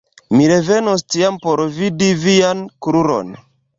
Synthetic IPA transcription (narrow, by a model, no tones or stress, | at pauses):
miɾe̞venostiampoɾvidiviankɾuɾo̰n